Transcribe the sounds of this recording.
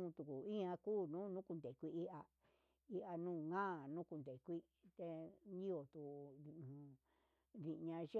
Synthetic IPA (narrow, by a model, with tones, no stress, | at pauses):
t̪u˨ku˨i˦ã˧kuː˦˨nũː˦nũ˦ku˧nd̪e˨kʷi˧i˦ʔa˧ | i˧ʔa˧nũː˦˨ŋãː˦˨nũ˦ku˧nd̪e˨kʷi˦ | t̪e˧nĩ˦o˨t̪ũ˨˧˨ | ði˧ʔɲã˧ʐe˦